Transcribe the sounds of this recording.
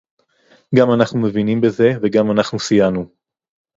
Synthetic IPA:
ɡamanaχnume̞vinimbe̞ze̞veɡamanaχnusijanu

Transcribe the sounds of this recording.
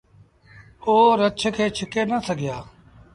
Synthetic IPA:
oːɾət͡ʃʰəkʰeːt͡ʃʰɪkeːnəsəɡʱɪjaː

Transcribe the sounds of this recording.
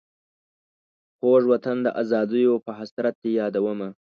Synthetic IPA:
poʐwat̪and̪əʔazɑd̪əjopəɦasɾat̪̚ːejɑːd̪awəma

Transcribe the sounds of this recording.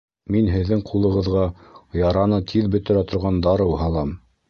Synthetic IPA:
minɦɘ̆ðːɘŋqʰulˠɤ̆ʁɤ̆ðʁɑjɑɾɑnɤt̪ʰiðbɵ̆t̪ɘ̆ɾæt̪ŏɾʁɑnd̪ɑɾɤwɦɑlˠɑm

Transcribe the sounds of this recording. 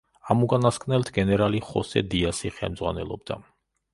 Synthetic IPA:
amukʼanaskʰʼvnɛlt̪ʰɡɛnɛɾaliχɔsɛ̰d̪iasiχɛ̰lˠmdzʁwanɛ̰lˠɔ̰bd̪a̰

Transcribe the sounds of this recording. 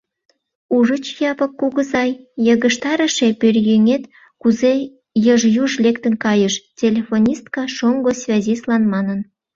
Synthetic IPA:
uʒət͡ɕjɑpə̆kːuɣə̆zɑjjəɣəʃt̪ɑɾə̆ʃepørjeŋet̪ | kuze | jəʒjuʒlekt̪ənkɑjəʃtʲelʲefonʲist̪kɑʃoŋɡosvʲɑzʲislɑnmɑnən

